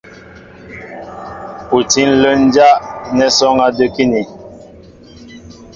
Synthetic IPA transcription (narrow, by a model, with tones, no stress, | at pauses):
pu˨ti˦n̩˦˨lə˦n˦d͡ʒa˦ʔnɛ˦sɔ˦ŋa˦də˦ki˦ni˨